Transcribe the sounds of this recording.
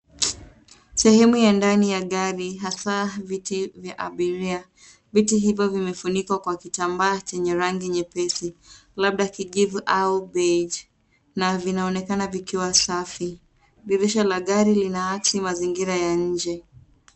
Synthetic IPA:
sɛhɛmujandanijaɠaɾiɦasavitivjaʔaɓiɾia | vitiɦivjɔvimɛfunikwakwakitambaːt͡ʃɛɲɛɾaŋɡiɲɛpɛsilaɓ̚ɗakiʄivuʔaubɛd͡ʒ | navinaɔnɛkanavikiwasafi | ɓiɾiʃalaɠaɾilinaat͡ʃimaziŋɡiɾajaɲ̩d͡ʒɛ

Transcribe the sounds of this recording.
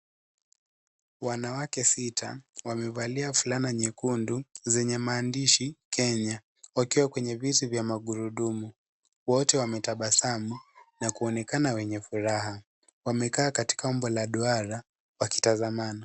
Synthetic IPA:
wanawakɛsitʰa̰wamɛvaliafulanaɲɛkunduzɛɲɛmaːndiʃikʰɛɲa | wakiwakwɛɲɛvitivjamaɠuɾuɗumu | wɔtɛwamɛtaɓasamunakuɔnɛkanawɛɲɛfuɾaɦa | wamɛkaːkati̥kaɔmbɔlaɗuaɾa | waki̥tazamanɔ

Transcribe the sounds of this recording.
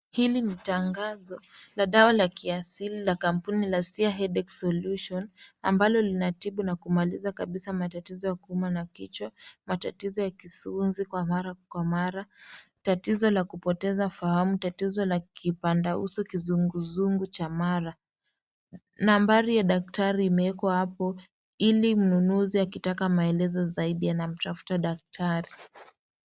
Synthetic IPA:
hilinitaŋɡazɔlaɗawalakiasililakam̩punilasiaɦɛɗɛksɔluʃɔna̰mbalɔlinatiɓunakumalizakaɓisamatatizɔjakuumanakit͡ʃwamatatizɔjakisuunzikwamaɾakwamaɾatatizɔlakupɔtɛzafahamutatizɔlakʰipandaṵsɔkizuŋɡuzuŋɡut͡ʃamaɾa | nambaɾijaɗak̚taɾiːmɛɛkwahapɔ | ilim̩nunuziakitakamaɛlɛzɔzaiɗijanam̩tafu̥taɗak̚tʰaɾi

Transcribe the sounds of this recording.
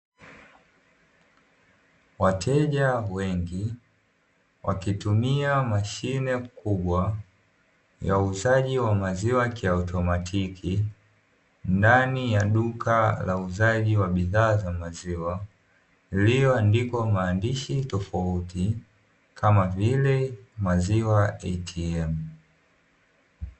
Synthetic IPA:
watʰɛʄawɛŋɡi | wʔakitumiamaʃinɛkuɓwa | jauzaʄiwamaziwakiautʰɔmatʰikʰi | ndanijaɗukʰalauzaʄiwaɓiðaːzamaziwa | lijɔndikɔmaːndiʃitɔfauti | kʰamavilɛmaziwaɛtʰiɛm

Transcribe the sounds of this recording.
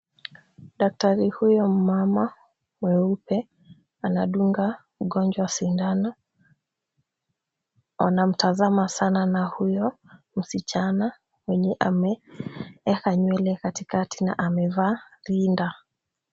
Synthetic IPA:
ɗak̚taɾihujɔm̩mama | mwɛupɛ | anaɗuŋɡa | muɡɔɲd͡ʒwasindana | anam̩tazamasananahujɔ | m̩sit͡ʃana | wɛɲɛʔamɛ | ɛkaɲwɛlɛkatikatʰina̰ʔamɛvaɾinda

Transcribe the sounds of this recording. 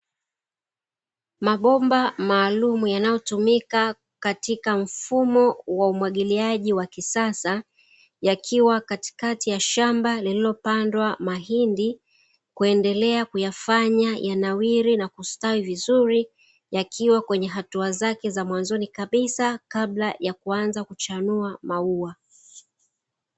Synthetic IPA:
maɓɔmbamaːlumujanajɔtumika | katikam̩fumɔwaumwaɠiliaʄiwakisasa | jakʰiwakati̥katijaʃambalililɔpandwamaɦindi | kuɛndɛlɛakujafaɲajʔanawiɾinakustawivizuɾi | jakʰiwakwɛɲɛɦatuazakɛzamwanzɔnikaɓisakaɓlajakuanzakut͡ʃanuamaua

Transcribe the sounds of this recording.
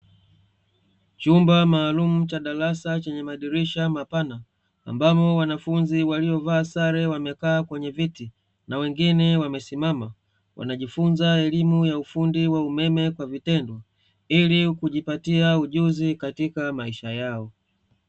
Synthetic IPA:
t͡ʃumbamaːlumut͡ʃaɗalasat͡ʃɛɲɛmaɗiɾiʃamapana̰ː | mbamɔwanafunziwaliɔvaːsaɾɛwamɛkaːkwɛɲɛviti | nawɛŋɡinɛwamɛsimama | wʔa̰naʄifunzaɛlimujaufundiwaumɛmɛkwavitɛndwɔ | ilikuʄipatiauʄuzikatikamaiʃajaɔ

